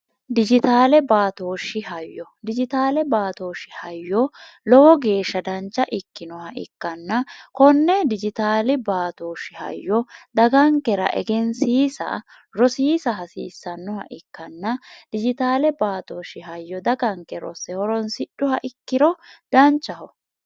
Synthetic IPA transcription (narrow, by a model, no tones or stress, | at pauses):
d̪ɪd͡ʒɪt̪aːlɛbaːt̪oːʃɪhɐjːɔd̪ɪd͡ʒɪt̪aːlɛbaːt̪oːʃɪhɐjːɔ | lɔwɔɡe̞ːʃːɐd̪ɐnt͡ʃːɐʔɪkːɪnɔhɐʔɪ̰kːɐnːɐkɔnːɛd̪ɪd͡ʒɪt̪aːlɪbaːt̪oːʃɪɐ̰jːɔd̪ɐɡɐŋkːɛɾɐ̰ʔɛ̰ɡɛnsiːsɐ̰ | ɾɔsiːsɐɦɐsḭːsːɐnːɔhɐ̰ʔɪkːɐnːɐd̪̥ɪd͡ʒɪt̪aːlɛbaːt̪oːʃɪɦɐjːɔd̪ɐɡɐŋkːɛɾɔ̰sɛhɔɾɔnsɪɗːʊhɐʔɪkːɪɾɔd̪ɐnt͡ʃːɐhɔ